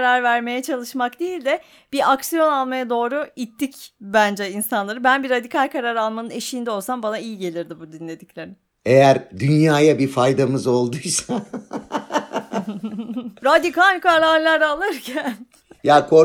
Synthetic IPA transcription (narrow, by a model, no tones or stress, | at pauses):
ɾaɾvæɾme̞jɛt͡ʃʰalˠɯʃmakd̪ejilʲd̪ɛ | b̥iaksijo̞nalˠmajad̪o̞ːɾuit̪ʰːicbænd͡ʒɛinsanlˠaɾɯbænbiɾad̪ikʰalʲkʰaɾaɾalˠmanɯne̞ʃiːnd̪ɛo̞lˠsambanaijiɟe̞lʲiɾd̪ibud̪inlʲe̞d̪iclʲe̞ɾɪm | ejæɾd̪ynjaːjabifajd̪amɯzo̞lˠd̪ujsa | ɾad̪ikʰalʲkaɾaɾlʲaɾalˠɯɾcʰæn | jaːkʰo